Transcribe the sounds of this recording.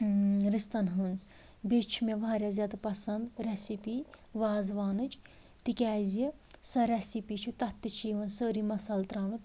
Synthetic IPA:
ɾist̪ɐnɦunz | bʲet͡ʃʰumʲeʋaːɾʲjaːzʲjaːd̪ɐpɐsɐnd̪ɾɛsipi | ʋaːzʋaːnɨt͡ʃ | t̪ikʲæːzʲisɐɾʲɛsipit͡ʃʰut̪ɐt̪ːit͡ʃʰiːʋɐnsəːɾimɐsɐlt̪ɾaːnut̪

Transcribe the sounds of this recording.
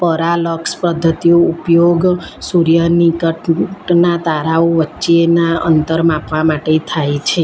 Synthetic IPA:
pəɾaləkspəd̪ʱːət̪ijoupjoɡsuɾjənikəʈʈnat̪aɾaoʋətːt͡ʃienaə̰nt̪əɾmãpʋamaʈet̪ʰajt͡ʃʰe

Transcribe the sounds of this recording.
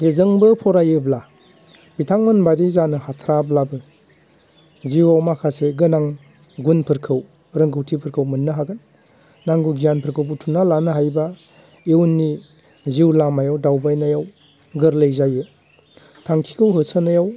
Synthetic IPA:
ɡezɯŋbɯpʰɔɾajɯbla | bitʰaŋmɯnbaɾizanɯhatʰɾablabɯ | ziwawmakʰaseɡɯnaŋ | ɡunpʰɯɾkʰɯw | ɾɯŋɡɯwtʰipʰɯɾkʰɯwmɯnːɯɦaɡɯnː | aŋɡuɡijanpʰɯɾkʰɯwbutʰunalanɯɦajba | ewnːi | ziwlamajawdawbajnajaw | ɡɯɾlejzajɯ | tʰaŋkʰi̥kʰɯwɦɯsənajaw

